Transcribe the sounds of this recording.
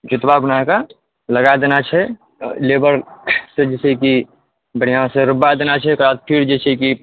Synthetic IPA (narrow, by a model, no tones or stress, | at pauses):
d͡ʒʊt̪babnaka | ləɡad̪eːnat͡ʃʰɛ | leːbəɾsed͡ʒɛːseki | bəɽ̤ijãseɾʊbad̪enat͡ʃʰɛkɾaːt̪̚pʰiɾd͡ʒɛsʰeki